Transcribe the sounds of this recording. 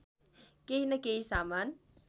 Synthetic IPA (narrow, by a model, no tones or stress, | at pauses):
keinɐkeisaːmaːn